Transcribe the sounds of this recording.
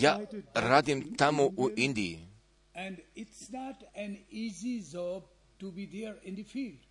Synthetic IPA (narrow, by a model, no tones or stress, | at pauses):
jaɾad̪ĩmt̪amoʔuʔɪ̃nd̪i | ɛ̃nɖɪʈsnɔʈɛ̃nizizɔb̚ | ʈubid̪eɾɪ̃nd̪əfiːlɖ